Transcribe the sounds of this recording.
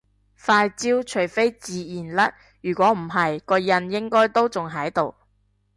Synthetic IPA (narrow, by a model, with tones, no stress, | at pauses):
faː˧jt͡siː˥wt͡ʃʰɵ˨˩jfe˥jt͡siː˨˧jiː˨˩nlɐ˥t̚ | jyː˨˩kʷɔː˨˥m̩˨˩ɦɐ˨jkɔː˧jɐ˧njɪ˥ŋkɔː˥jt̪o˥wt͡sʊ˨ŋɦɐ˨˥jt̪o˨w